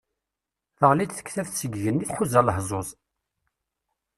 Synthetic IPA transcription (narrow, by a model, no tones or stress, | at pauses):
θəʁlid̪θə̥kθæfθsəɡʝənːiθħuzæləhzˤozˤ